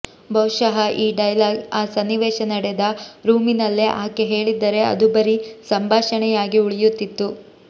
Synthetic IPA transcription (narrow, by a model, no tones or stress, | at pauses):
bɐwʃɐɦɐʔiːɖɐjlaːɡaːsɐnːiʋɛːʃɐnɐɽɛd̪ɐɾuːminɐlːeʔaːkeɦe̞ːɭid̪ːɐɾe̞ɐ̰d̪ubɐɾisɐmbʱaːʃɐɳɛjaːɡiuɭijut̪ːit̪ːu